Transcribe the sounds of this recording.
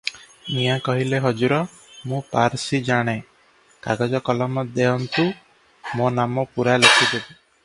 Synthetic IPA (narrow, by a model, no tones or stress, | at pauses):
mijakɔɦileɦɔd͡ʒuɾɔ | mũpaɾsid͡ʒaɽ̃e | kaɡɔd͡ʒɔkɔlɔmɔd̪eɦɔnt̪u | mõnamɔpuɾalekʰid̪ebi